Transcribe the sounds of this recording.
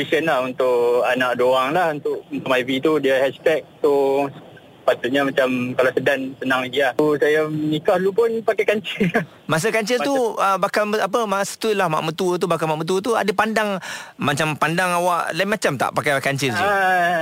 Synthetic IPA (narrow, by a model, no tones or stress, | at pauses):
isənahunt̪ʊʔanaʔdoaŋlahunt̪ʊkunt̪amaivit̪udiahɛst̪ɛk̚t̪u | pat̪ut̪̚ɲamat͡ʃamkalasədansənaŋdiausajamənikahlupʊnpakajkaɲt͡ʃɪl | mas̬əkaɲt͡ʃɪlt̪uəbakaləap̬əmasə̥t̪uilahma̰ʔmət̪uət̪̬ubakamaʔmət̪uət̪ua̰dəpandaŋmat͡ʃampandaŋawaʔlaimat͡ʃamt̪a̰ʔpakajakaɲt͡ʃɪlt̪a